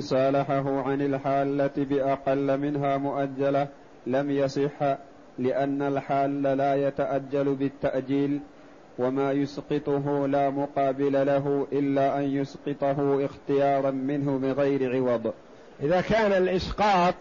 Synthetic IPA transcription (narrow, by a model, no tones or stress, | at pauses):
sˤɑːlaħaɦʊʕanɪlħaːlːat̪bɪʔɑqɑlːmɪnɦaːmʊʔad͡ʒːala | lamjɑsˤɨħː | lɪʔanːalħaːlːalaːjat̪aʔad͡ʒːalbɪt̪ːaʔd͡ʒiːl | wamaːjʊsqɨt̪ˤʊɦʊlaːmʊqɑːbɪlalaɦʊʔɪlːaːʔanjʊsqɨt̪ˤɑɦʊʔɪxt̪ɪjɑːɾˤɑnmɪnɦʊbɪɣajɾɪʕɪwɑd̪ˤ | ʔɪðaːkaːnalʔɪsqɑːt̪̚ˤ